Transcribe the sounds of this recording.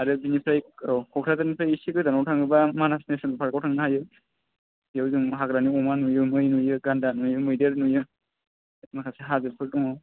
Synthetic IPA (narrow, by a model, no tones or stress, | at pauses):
aɾɯbinipʰɾajkʰɔkʰɾazanipʰɾajisikɯdanawtʰaŋɯbamanasnesɯnpʰaɾkawtʰaŋnaɦajɯ | ijawzɯŋɦaɡɾaniɔmanujɯmɯjnujɯɡandanujɯmɯjdeɾnujɯ | makʰaseɦazɯpʰɯɾdɔŋaw